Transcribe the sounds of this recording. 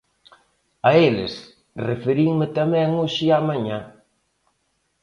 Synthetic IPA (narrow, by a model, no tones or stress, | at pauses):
ɐelɪ̰s | refeɾiŋmɪt̪ɐmɛ̃ŋoʃiamãɲa